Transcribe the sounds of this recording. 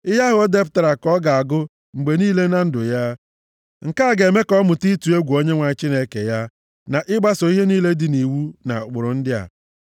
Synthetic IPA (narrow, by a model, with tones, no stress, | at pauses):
ɪ˦ɦa˦ɦʊ˨o˦de˦pʊ˨ta˨ɾa˨kɔ˦ɡa˨a˨ɡʊ˦ | ŋ͡m̩˨ɡ͡be˨niː˦le˦na˦n̩˦dʊ˨ja˦ | ŋ̩˨ka˦˨ɡe˨me˦kɔ˦mʊ˨ti˦tu˨e˦ɡʷu˨o˦ɲe˦ŋʷa˨t͡ʃi˦ne˦ke˨ja˦ | na˨ʔɪ˦ɡ͡ba˦so˨i˦ɦe˦niː˦le˦dɪ˨ni˨wu˦na̰˨k͡pʊ˨ɾʊ˨n̩˦dɪ˦a̰˨